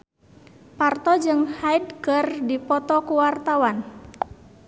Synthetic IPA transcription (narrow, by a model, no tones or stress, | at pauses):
part̪ɔd͡ʒɨŋhaidkərdipɔt̪ɔkuwart̪awan